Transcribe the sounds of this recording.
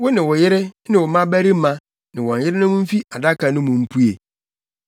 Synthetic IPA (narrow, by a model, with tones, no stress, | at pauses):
wʊ˦nɪ̃˨wɔ˨jɪ˦ɾɪ˦nɪ̃˨wɔ˨mã˦bæ˦ɾi˦mã˨ | nɪ̃˨wɔ̃˨n̩˨jɪ˦ɾɪ˦nʊ̃˦mʊ̃˦m̩˦fi˦a˨da˦kʰa˨nʊ̃˦mʊ̃˨m̩˦pʰu˦ḛ˨